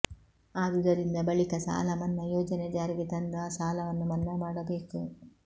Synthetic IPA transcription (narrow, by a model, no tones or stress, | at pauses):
aːd̪ud̪ɐɾind̪ɐbɐɭikɐsa̰ːlɐmɐnːɐjoːd͡ʒɐnɛd͡ʒaːɾiɡet̪ɐnd̪aːsaːlɐʋɐnːumɐnːɐmaːɽɐbe̞ːku